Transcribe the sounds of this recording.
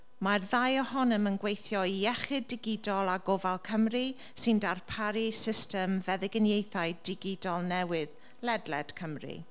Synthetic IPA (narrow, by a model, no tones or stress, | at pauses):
marðajɔhɔnəmənɡwejθjɔiɛχɪdɪɡɪdɔlˠaɡɔvalˠkʰəmri | sɪndarpʰaɾisɪstɛmvɛðɪɡənjejθajdɪɡɪdɔlˠnɛwɪð | lɛdlɛd̥kʰəmrḭ